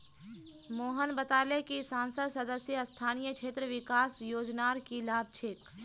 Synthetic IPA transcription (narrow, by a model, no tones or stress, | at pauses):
moːɦənbət̪aːlekisãːnsəd̪sɐd̪əsjəst̪ʰaːnijəkʃʰeːt̪ɾəʋɪkaːsjoːd͡ʒnaːɾkilaːb̚t͡ʃʰɪk